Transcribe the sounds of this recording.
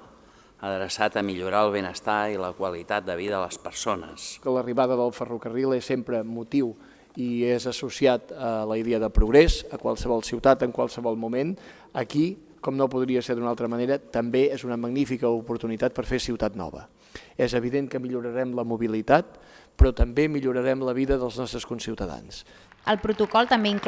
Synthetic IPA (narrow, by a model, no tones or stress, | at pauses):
əðɾəsat̪əmiʎuɾaəlˠβenəst̪ailəkwəlit̪at̪̚d̪əβiðəələspəɾsonə̰sələriβaðəðəlˠfərukərilˠesːempɾəmut̪iw | iezəsusiat̪ələiðeəðəpɾuɣɾɛzəkwa̰lˠsəβɔlˠsiwt̪at̪əŋkwalˠsəβɔlˠmumen | əki | kɔmnopuðɾiəseɾd̪unalˠt̪ɾəməneɾət̪əmbeezunəməɡnifikəupuɾt̪unit̪at̪̚pəɾfesiwt̪at̪̚nɔ̰βə̰ | ɛzəβ̞iðeŋkəmiʎuɾəɾɛmləmuβilit̪at̪̚pɾɔt̪əmbemiʎuɾəɾɛmləβiðəðəlˠznɔst̪ɾəskunsiwt̪əða̰ns | əlˠpɾut̪ukɔlˠt̪əmbeiŋk